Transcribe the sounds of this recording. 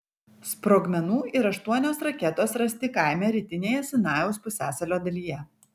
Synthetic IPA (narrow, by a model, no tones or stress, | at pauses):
spɾoːɡmʲɛnuːʔɪɾɐʃt̪uɔnʲoːsɾɐkʲɛt̪oːsɾɐsʲt̪ʲɪkɑˑɪmʲɛɾʲiːt̪ʲɪnʲeːjɛsʲɪnɑːjɛʊspʊsʲæːsɐlʲoːd̪ɐlʲiːjɛ